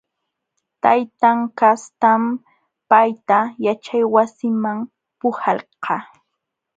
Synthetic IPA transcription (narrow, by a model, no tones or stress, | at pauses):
t̪ajt̪aŋkast̪am | pajt̪ajat͡ʃajwasɪmam | pʊhɑlqɑ